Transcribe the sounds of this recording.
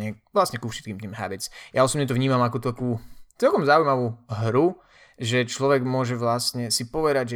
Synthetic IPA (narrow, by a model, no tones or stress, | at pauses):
ɛʋlasɲɛkufʃɛt̪̚kiːmt̪iːmɦa̰bɛt͡sjaɔsɔbɲɛt̪ɔʋvɲiːmamakɔt̪akuːt͡sɛlkɔmzaujmaʋuːɦɾu | ʒɛt͡ʃlɔʋɛɡmʊɔʒɛʋlasɲɛsipɔʋɛd̪aɟʒɛ